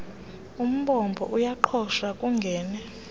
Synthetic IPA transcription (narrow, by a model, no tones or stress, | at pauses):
um̩ɓɔmbʱɔ̰ʔujaǃʰɔʃakʼuŋɡʱɛːnɛ